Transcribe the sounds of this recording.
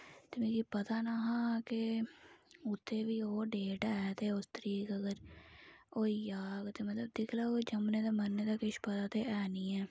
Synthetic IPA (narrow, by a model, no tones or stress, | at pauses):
t̪ɪmeːkiːpət̪aːnaɦãːke | ʊt̪ʰːeːʋiːoːɖeːʈɛːt̪eːʊst̪əɾiːkəɡəɾ | oːiːjaːɡt̪eːmət̪ləb̚d̪ɪkʰlaːod͡ʒəmneːd̪aːmənːeːd̪aːkɪʃpət̪aːt̪eːʔɛːniːɛː